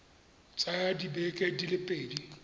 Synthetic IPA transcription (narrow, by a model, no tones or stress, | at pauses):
t͡sʼajadibɛkʼedilɪpʼeːdi